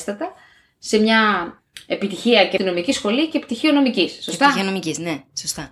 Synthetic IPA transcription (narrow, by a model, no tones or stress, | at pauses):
st̪ɐt̪ɐ | se̞mɲɐ | e̞pit̪içiɐcet̪ino̞micisxo̞lice̞pi̥t̪içio̞no̞micisːost̪ɐionomicisnesost̪ɐ